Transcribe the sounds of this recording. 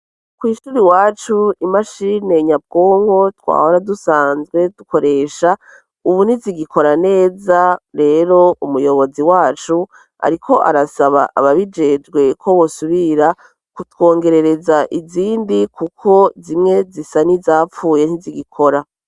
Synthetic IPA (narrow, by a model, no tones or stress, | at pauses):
kwiːʃuːɾiwaːt͡ʃuimaʃine̞ɲab̚ɡoːŋho̞twa̰ːhoɾadusaːnzɡwe̞d̥ukʰo̞ɾe̞ʃa | uβuniziɡikʰo̞ɾane̞ːzaɾe̞ɾo̞umujo̞βo̞ziwaːt͡ʃu | a̰ɾikʰo̞ʔa̰ɾasaβa̰ʔaβaβid͡ʒe̞d͡ʒɡwe̞kʰo̞βosuβiɾa | kutwo̞ːŋɡe̞ɾe̞ɾe̞zaʔiziːndikʰukʰo̞zimŋe̞zisanizaːfuːje̞n̥iziɡikʰo̞ɾa